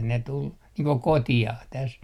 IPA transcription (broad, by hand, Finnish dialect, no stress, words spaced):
ne tul niːŋ ko kotiɑh tæs